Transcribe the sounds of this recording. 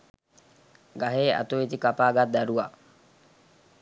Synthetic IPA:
ɡaɦeːa̰t̪uit̪ikapaːɡat̪̚d̪æɾuʋa

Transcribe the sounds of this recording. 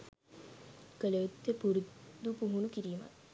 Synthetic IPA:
kəleut̪ːepuɾud̪upuɦunukiɾiːma̰t̪

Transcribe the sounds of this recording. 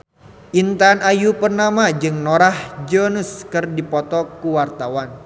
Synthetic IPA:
ʔint̪anajupərnamad͡ʒɨŋnoɾahd͡ʒonuskɨrdipɔt̪ɔkuwart̪awan

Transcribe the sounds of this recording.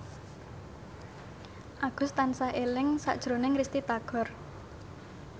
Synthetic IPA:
ʔaɡ̥ʊ̤st̪ansahelɪŋsa̰ʔd̥ʒ̥ɾonɪŋɾist̪it̪aɡ̥ɔ̤r

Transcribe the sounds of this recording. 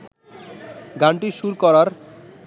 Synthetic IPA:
ɡaɳʈiʃuɾkɔɾaɾ

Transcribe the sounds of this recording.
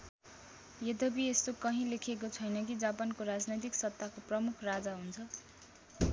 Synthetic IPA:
jed̪ʌbiest̪okʌɦĩlekʰek̬ot͡sʰʌjnʌkid͡zapankoɾad͡znʌjt̪iksʌt̪ːakoprʌmukʰrad͡zaɦunt͡sʰʌ

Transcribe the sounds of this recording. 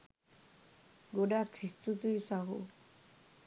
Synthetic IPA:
ɡoɖakʰɾistut̪ujsaɦṵ

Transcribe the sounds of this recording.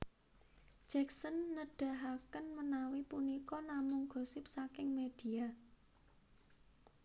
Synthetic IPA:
d̥ʒ̥ɛk̚sənːəɖ̥a̤ɦakənmənawipunikɔnamʊŋɡ̥o̤sɪp̚sakɪŋmed̥i̤a

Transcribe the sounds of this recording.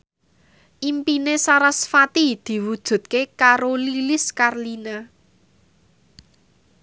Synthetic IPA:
ʔimpinesaɾasfat̪id̪̥i̤wud̥ʒ̥ṳt̪̚kekaɾolilɪskarlina

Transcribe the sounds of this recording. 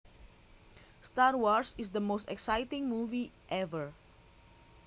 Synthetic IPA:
st̪aɹwɔɹsisdəmostɛksajtĩŋmuvi | ʔɛvəɹ

